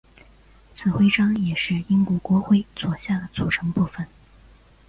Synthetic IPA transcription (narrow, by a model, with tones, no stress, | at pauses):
t͡sʰɹ̩˨˩xwe˥ɪʈ͡ʂɑ˥ŋjɛ˨˩ʂɻ̩˥˩i˥ŋkwɔ˧˩kwɔ˧˥xwe˥˩ɪt͡swɔ˨˩ɕja˥˩d̪ə˩t͡su˨˩ʈ͡ʂʰɤ˧˥ŋpu˥˩fə˩n